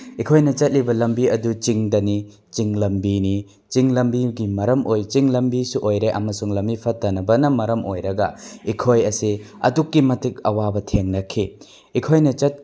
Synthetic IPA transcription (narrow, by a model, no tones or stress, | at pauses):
ikʰojnɐt͡ʃɐt̚libɐlɐmbiɐdut͡ʃiŋdɐni | t͡ʃiŋlɐmbini | t͡ʃiŋlɐmbiɡimɐɾɐmʔojt͡ʃiŋlɐmbisuʔojɾeʔɐ̰mɐsuŋlɐmbipʰɐtːɐnɐbɐnɐmɐɾɐmʔojɾɐɡɐikʰojɐsiɐ̰dukːimɐtʰik̚ɐ̰wabɐtʰeŋnɐkʰi | ikʰojnɐt͡ʃɐt̚